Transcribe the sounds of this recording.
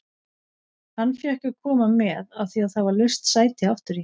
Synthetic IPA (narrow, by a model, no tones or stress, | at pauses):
hanːfjɛhkʏkʰɔːmamɛːðaðθiaðhavalœɥst̪saːjt̪ɪaft̪ʏɾi